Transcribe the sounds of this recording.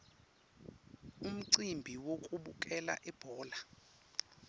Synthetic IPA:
um̩ǀimbʱiwokʼuɓukʼɛla̰ʔɛb̥ʱɔːla

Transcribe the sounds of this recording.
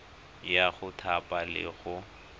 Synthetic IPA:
jaɣʊtʰapʼalɪ̰ɣʊ

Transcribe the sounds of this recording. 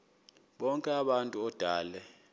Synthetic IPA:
ɓɔŋkʼɛaɓantʼuɔd̥ʱaːlɛ

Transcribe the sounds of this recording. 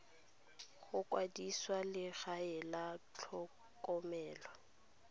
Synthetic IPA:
ɣʊkʼwadiswalɪɣaɪlat͡ɬʰɔ | kʼɔmɛːlwa

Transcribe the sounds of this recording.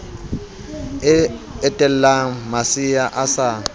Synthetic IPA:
ɛtʼɛl̩lamasijaʔasa

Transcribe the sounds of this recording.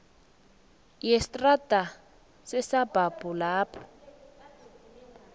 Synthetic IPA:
jɛstʼrata | sɛsabʱab̥ulaːpʰɔ̥

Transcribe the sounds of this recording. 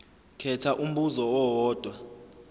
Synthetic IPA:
kʰɛtʰaʔum̩ɓuzɔwɔɦɔːd̥ʱwa

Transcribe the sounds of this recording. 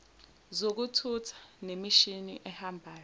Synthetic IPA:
zok̬utʰutʰḁnemiʃinḭʔɛhambʱaːjɔ

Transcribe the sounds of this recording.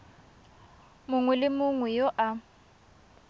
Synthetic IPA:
mʊŋwɛlɪmʊŋwɛjoʔa

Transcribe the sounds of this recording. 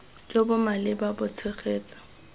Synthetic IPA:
d͡ʒobʊmalɪbabʊt͡sʰɪχeːt͡sḁ

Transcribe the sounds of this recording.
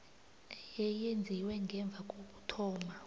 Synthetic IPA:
jɛjend͡zʱiwɛŋɡʱɛɱb̪vʱakʼoɓutʰɔːma

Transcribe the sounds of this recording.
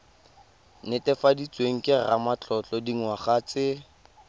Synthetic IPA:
nɪtɛfadit͡sweŋ̩kʼɪra̰mat͡ɬʼɔt͡ɬʼɔdiŋwaχaːt͡sɪ

